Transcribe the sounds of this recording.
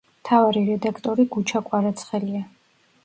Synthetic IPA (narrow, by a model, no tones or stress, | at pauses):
mt̪ʰavaɾiɾɛd̪akʰt̪ʼɔɾiɡut͡ʃʰakʼwaɾat̪sʰχɛlia